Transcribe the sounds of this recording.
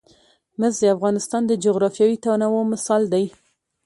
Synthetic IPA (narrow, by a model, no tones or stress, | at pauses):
mɪzd̪eafɣɑnɪst̪ɑnd̪əd͡ʒʊɣɾɑfjɑwit̪anawomɪsɑld̪aj